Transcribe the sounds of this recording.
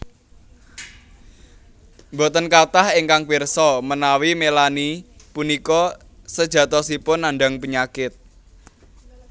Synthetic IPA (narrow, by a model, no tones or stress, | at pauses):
mbo̤t̪ənkat̪aheŋkaŋwirsɔmənawimelani | punikɔ | səd̥ʒ̥ä̤t̪ɔsipʊnːaɳɖa̤ŋpəɲakɪt̪̚